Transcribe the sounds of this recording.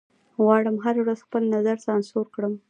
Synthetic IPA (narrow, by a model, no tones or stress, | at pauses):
wɑɽəmɦaɾawɾazxpəlnazaɾsɑnsoɾkɽəm